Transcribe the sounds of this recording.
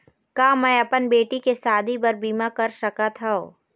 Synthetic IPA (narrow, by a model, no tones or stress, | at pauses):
kaːmɛ̃ːɐpənbeːʈikesaːd̪ʱibɐɾbiːmakɐɾʃɐkat̪ʰaoː